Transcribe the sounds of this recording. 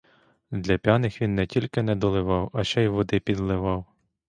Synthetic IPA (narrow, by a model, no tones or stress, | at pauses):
d̪lʲɐpʲjanɪxʋʲinːɛtʲilʲkɪnɛd̪ɔlˠɪʋɑwɐt͡ʃɛjʋɔd̪ɪpʲid̪lˠɪʋɑw